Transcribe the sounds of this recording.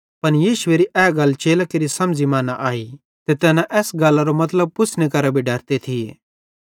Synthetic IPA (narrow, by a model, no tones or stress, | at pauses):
pɐnjiːʃʊeɾiʔɛːɡɐlt͡ʃeːlakeɾisɐ̃md͡zimaːnaʔaːi | t̪et̪ɛːnãʔɛːsɡaːlaɾomɐt̪ləb̚pʊt͡sʰnekɐɾabʱiɖɐɾt̪et̪ʰiḛ